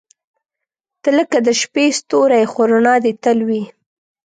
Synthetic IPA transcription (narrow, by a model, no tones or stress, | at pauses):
t̪ələkad̪əʃpest̪oɾajxoɾonɑd̪et̪əlwi